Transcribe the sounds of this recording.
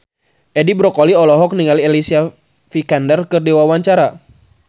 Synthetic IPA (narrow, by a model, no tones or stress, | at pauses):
ʔɛdibɾɔkɔliɔlɔɦɔk̚niŋaliɛlisia | fikandərkɨrdiwawaɲt͡ʃaɾa